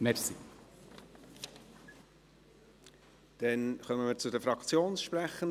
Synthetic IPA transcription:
mɛɾsi | d̥ɛnχœməmɪːɾt͡sʊdɛfɾɑkt͡sjoːnsʃpræχən

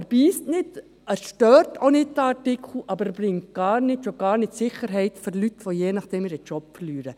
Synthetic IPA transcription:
ɛɾb̥iːstnɪt | ɛsʃtœːɾtonɪt̚dɑtɪkʰχl̩ʔɑbəɾb̥ɾɪŋtɡ̥ɑːɾnɪtʃoɡ̥ɑːɾnɪtsɪχəɾɦɛɪtføɾlytʋojeːnɑχd̥ɛmɪɾət͡ʃɔpfəɾlyːɾə

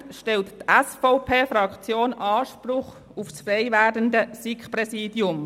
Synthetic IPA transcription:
ʃtɛlttɛsfɔʊpʰeːfɾɑkt͡sjoːnɑːʃpɾʊχ | ufsfreɪvæːdəndəsikprɛsiːdjʊm

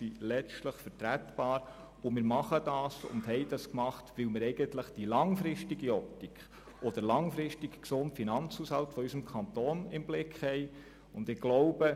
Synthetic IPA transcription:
silɛt͡stləχfəɾtɾætb̥ɑːɾ | ʊmɪːɾmɑχəd̥ɑːsʊ̰ndhɛɪdɑskmɑχtʋɪlmɪɾɛɪɡəntləχd̥ilɑŋfɾɪʃtiɡiɔp̚tikʰ | ʔɔd̥əɾlɑŋfɾɪʃtikksʊntfinɑnt͡shushɑltfɔysəmkʰɑnt̪oːnɪmblɪkχhɛɪ | ʊndɪɡ̥lɔʊb̥ə

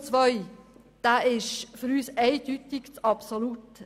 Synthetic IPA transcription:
t͡sʋœʏ | d̥æːʔɪʃføɾyːsɛɪd̥ytɪkt͡sɑpsolut

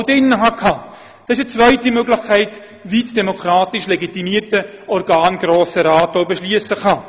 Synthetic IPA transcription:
dɛnːəɦɑkʰhɑ | d̪̥ɑɪʃ̬ət͡svœɪtimøɡlɪχkʰɛɪt | viːsd̥emokʰɾaːtɪʃleɡitimiːərtəɔɾɡaːnɡɾoːsəɾaːtowbeʃlyəsəχɑː

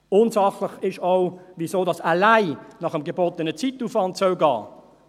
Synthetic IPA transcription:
oːnzɑχləχɪʃɑʊviːzoːdɑsælæɪnɑχəmɡəbotənət͡situːfɑntsəʊɡɑː

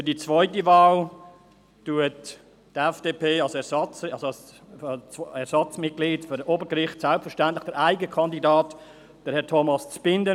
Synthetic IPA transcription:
fydiːt͡svɔʏtəvaːl | tuətː | ɛfd̥eːpʰeːɑlsɛɾsɑt͡sɑlsos | t͡sɛɐɾsɑt͡smɪt̚ɡ̥liːdfyɾoːbəɾɡɾɪχtsɛlptfɛɐʃtɛntlɪχd̥ɛɾaɪɡəkʰɑndidɑːt | d̥ɛɾhɛɾtʰomɑst͡sb̥ɪndə

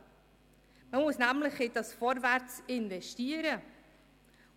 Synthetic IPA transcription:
məmʊsnæmlɪχɪt̚dɑsfɔɾvæɾt͡sɪnvɛʃtiːəɾə

